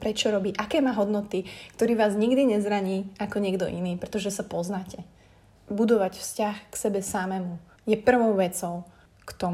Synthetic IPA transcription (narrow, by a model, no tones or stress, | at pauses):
pɾɛt͡ʃɔɾɔbiːʔakɛːmaːɦɔd̪nɔt̪ikt̪ɔɾiːʋaːzɲiɡd̪iɲɛzɾaɲiːakɔɲɪɛɡd̪ɔ̰ʔḭniːpɾɛt̪ɔʒɛsapɔznaːcɛ | bud̪ɔʋacfscaxksɛbɛsamɛmu | jɛpr̩ʋɔʊʋɛt͡sɔʊ | kt̪ɔm